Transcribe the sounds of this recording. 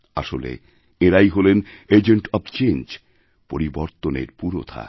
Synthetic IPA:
a̰ʃo̰lḛ | eɾajɦolened͡ʑeɳʈɔbt͡ɕend͡ʑ | poɾiboɾt̪onḛɾpuɾo̰t̪ʰa̰

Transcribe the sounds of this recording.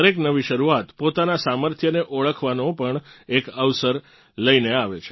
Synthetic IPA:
ɾeknəʋiʃəɾuat̪pot̪anasaməɾt̪ʰjəneʔoɭəkʰʋanopəɳekəʋsəɾ | ləineaʋet͡ʃʰe

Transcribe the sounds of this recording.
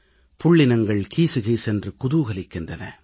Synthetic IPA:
pʊɭːɪnɐŋɡɐɭkiːsɯɣɐɪsɛndrɯkʊðuːɣɐɭɪkːɯndɐnɐ̰

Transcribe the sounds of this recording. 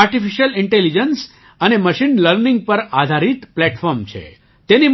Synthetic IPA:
aɾʈifiʃjəlɪɳʈelid͡ʒəns | əneməʃinləɾniŋɡ̚pəɾad̪ʱaɾit̪plɛʈfɔɾmt͡ʃʰḛ | t̪eni

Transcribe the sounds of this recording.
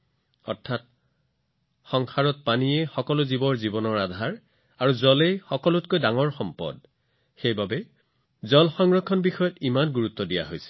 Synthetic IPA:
ɔ̰ɹtʰat̚ | xɔŋxaɹɔt̚panijɛxɔkɔlʊzibɔɹzibɔnɔɹadʱaɹ | aɹuzɔlejxɔkɔlʊtkojdaŋɔɹxɔmpɔ̰d̚ | xejbabɛ | zɔlxɔŋɹɔkʰːɔnbixɔjɔtimanɡuɹut̪ːɔdija̰ɦojsɛ̥

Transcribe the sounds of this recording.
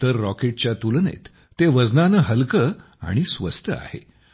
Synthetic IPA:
t̪əɾːɔkeʈ̚t͡ɕjat̪ulnḛt̪ː | eʋəd͡znanəɦəlkə | a̰ɽ̃isʋəst̪ʰəa̰hḛ

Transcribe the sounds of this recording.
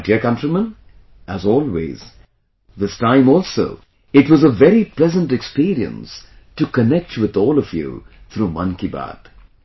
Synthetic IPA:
dikʌ̃ntɹimə̃n | æzɔːlˠwḛz̥ | ðɪstãɪ̃mɔːlˠso̰ʊ | ɨtwʌzəvɛɾipʰlɛzə̃ntɨkspiɾiə̰̃nstɨkənɛk̚twɪðɔːlˠʌvjṵ | θɾuːmʌ̰̃nkiba̰d̥

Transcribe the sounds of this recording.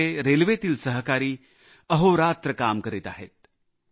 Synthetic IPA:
eɾelʋet̪iːlsəɦkaɾiː | əɦoɾaːt̪ɾəkamkəɾit̪a̰ɦḛt̪̚

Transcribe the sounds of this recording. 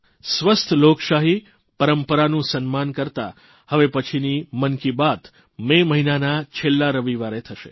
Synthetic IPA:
sʋəst̪ʰlokʃaɦi | pəɾəmpəɾanũsənmankəɾt̪a̰ | həʋepət͡ʃʰinimənkibat̪ | meməɦinanat͡ʃʰelːaɾəʋiʋaɾet̪ʰəʃḛ

